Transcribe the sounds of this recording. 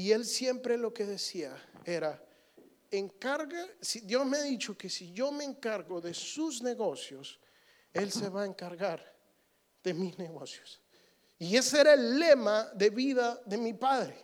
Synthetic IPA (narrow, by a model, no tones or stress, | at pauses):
ie̞lsje̞mpɾe̞lo̞ke̞ðe̞siae̞ɾa | eŋkaɾɣasid̪jo̞zmeaðit͡ʃo̞ke̞siʝo̞me̞ːŋkaɾɣoðe̞suzne̞ɣo̞sjo̞s | e̞lse̞βaeŋkaɾɣaɾ | ð̥e̞mizne̞ɣo̞sjos | ie̞seeɾaelːe̞maðe̞βiðaðe̞mipaðɾe